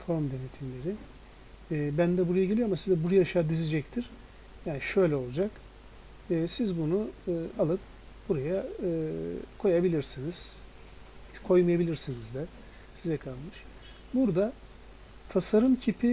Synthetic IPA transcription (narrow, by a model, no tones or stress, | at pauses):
fʰoɾmd̪e̞net̪ʰimlʲe̞ɾɪː | bænd̪ɛbuɾajaɟelʲijo̞amasizɛbuɾjaʃaːd̪ized͡ʒɛct̪ʰiɾ̥ | jaːniʃø̞jlʲɛo̞lˠud͡ʒak | ɯsizbunualˠɯp̚ | buɾajaɯːkʰo̞jabilʲiɾsiniz̥ | kʰo̞jmajabilʲiɾsinizd̪ɛ | sizɛkʰalˠmɯʃ | buɾd̪a | t̪ʰasaɾɯmcʰipʰi